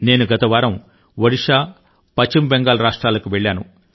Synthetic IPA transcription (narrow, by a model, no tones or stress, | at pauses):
ne̞ːnuɡɐt̪ɐʋaːɾɐm | ʋɐɽiʂaː | pɐt͡ʃːimbɛŋɡaːlɐɾaːʂʈɾaːlɐkuʋeɭːaːnṵ